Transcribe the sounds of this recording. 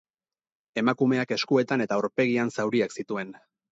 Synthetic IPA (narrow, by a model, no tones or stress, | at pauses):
e̞makume̞ake̞skue̞t̪ane̞t̪aoɾpe̞ɣ̞iansawɾiaksit̪ue̞n